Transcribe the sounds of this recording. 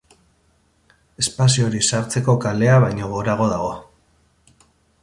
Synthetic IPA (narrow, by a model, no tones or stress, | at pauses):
e̞spasio̞ɾisaɾt͡se̞ko̞kale̞aβajɲo̞ɣo̞ɾaɣ̞o̞ðaɣ̞o̞